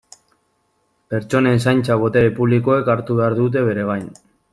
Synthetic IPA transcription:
pe̞ɾt͡ʃo̞ne̞ns̬ajnt͡saβ̞o̞t̪eɾepuβliko̞e̞kaɾt̪uβe̞aɾðut̪̬e̞βe̞ɾe̞β̞ajn

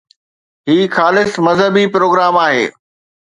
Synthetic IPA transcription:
ɦiːxaːlɪsmɐzɦəbipɾoːɡɾaːmaːɦḛː

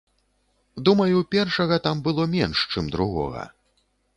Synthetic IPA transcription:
d̪umɐjupʲɛrʂɐɣɐt̪ambɨlˠɔmʲɛnʂt͡ʂɨmd̪ɾuɣɔ̰ɣɐ̰

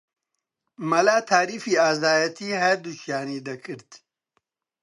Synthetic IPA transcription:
mɐlaːt̪ʰaːɾifiaːzaːjɐt̪iɦad̪uɕjaːnid̪ɐkʰiɾt̪

